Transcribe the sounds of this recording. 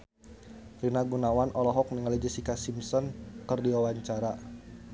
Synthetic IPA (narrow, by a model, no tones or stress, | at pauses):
rinaɡunawanʔɔlɔɦɔk̚niŋalid͡ʒəsikasimsɔnkərdiwawaɲt͡ʃaɾa